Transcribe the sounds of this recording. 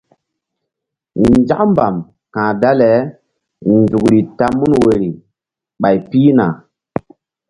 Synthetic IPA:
d͡ʒa̰˦kmba˨m | kãː˨da˦lɛ˨˦ | nd͡ʒu˨kɾi˨ta˦mu˦nwe˨ɾi˨ | ɓa˨jpiː˦na˨

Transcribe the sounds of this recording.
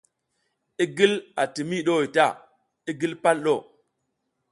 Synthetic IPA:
i˦ɡi˦la˨ti˨mi˦ɗo˦˨ta˦˨ | i˦ɡi˦lpa˦lɗo˦˨

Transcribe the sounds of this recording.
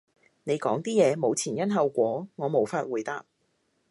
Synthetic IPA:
ne˨˧jkɔː˨˥ŋt̪iː˥jɛː˨˧mo˨˧wt͡sʰiː˨˩njɐ˥nɦɐ˨˧wkʷɔː˨˥ŋɔː˨˧mo˨˧wfaː˧t̚wuː˨˩jt̪aː˧p̚

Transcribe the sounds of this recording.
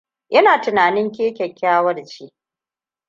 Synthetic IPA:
ʔɐ˦naː˨tʊ˨naː˨nɪ˦ŋkʲeː˦kʲɐ˨kʲʰːaː˦wɐ˦rt͡ʃeː˦

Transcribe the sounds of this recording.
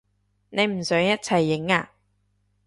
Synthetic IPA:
ne˨˧jm̩˨˩sœː˨˥ŋjɐ˥t̚t͡sʰɐ˨˩jːɪ˨˥ŋaː˧

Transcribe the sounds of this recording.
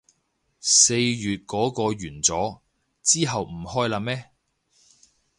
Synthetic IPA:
se˧jjyː˨t̚kɔː˨˥kɔː˧ɥyː˨˩nt͡sɔː˨˥ | t͡siː˥ɦɐ˨wm̩˨˩hɔː˥jlaː˧mɛː˥

